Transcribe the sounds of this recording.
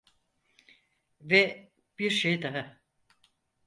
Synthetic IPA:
vɛ | b̥iɾʃejd̪aɦa

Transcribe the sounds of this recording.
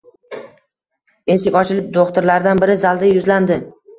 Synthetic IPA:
ensekʲɒt͡ʃʰɪlɪp̚d̪oχt̪ʊɾlaɾd̪anbɪɾɪzalˠd̪ajʊzland̪ɪ

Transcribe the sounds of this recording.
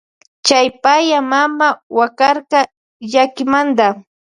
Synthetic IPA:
t͡ʃajpajamamawakaɾqɑ | ʎakɪmand̪a

